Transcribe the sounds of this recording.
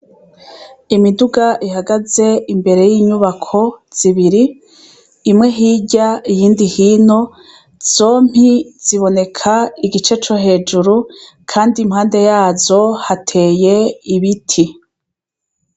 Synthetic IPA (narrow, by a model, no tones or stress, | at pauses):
imiduɡaʔihaɡaze̞imbe̞ɾe̞jiːɲuβakʰo̞z̥iβiɾiː | mŋe̞ɦiːɟaijiːndihiːno̞ | z̥o̞ːm̥hiz̥iβo̞ne̞kʰaiɡit͡ʃe̞t͡ʃoɦe̞ːd͡ʒuɾu | kʰaːndimhaːnde̞jaːzo̞hatʰe̞ːje̞iβitʰi